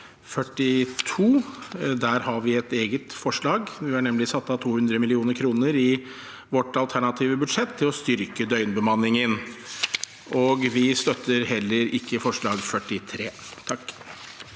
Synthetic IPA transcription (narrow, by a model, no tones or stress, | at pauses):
fœʈːɪt̪ʰuːd̪æːɾhɑɾʋɪɛt̪eːɡət̪fɔʂɭɑːɡʋɪæɳɛmlɪsɑt̪ːɑt̪ʰuːhʉnd̪ɾəmɪlɪuːnəɾkʰɾuːnəɾɪ | ʋɔʈɑlt̪ʰæɳɑt̪ʰiːʋəbʉd̪ʂɛt̪ʰːɪlɔst̪ʏɾkəd̪œʏnbəmɑnːɪŋən | ʔɔɡʋɪst̪œt̪ʰːəɾɦɛlːəɾɪkːəfɔʂɭɑːɡfœʈːɪt̪ʰɾeːt̪ʰɑkː